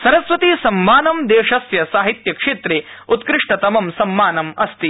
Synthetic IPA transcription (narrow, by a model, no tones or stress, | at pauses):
sɐɾɐsʋɐt̪iːsɐmːaːnɐmd̪eːʂɐsjɐsaːɦit̪jɐkʂeːt̪ɾeː | ut̪kɾɪʂʈɐt̪ɐmɐmsɐmːaːnɐmɐst̪i